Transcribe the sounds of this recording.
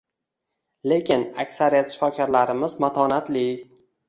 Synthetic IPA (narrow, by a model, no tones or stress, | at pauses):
le̞kʲɪnakʲsaɾijat̪ʃɪ̥fɒkʲʰɒɾlaɾɪmɪzmat̪ʰɒnat̪li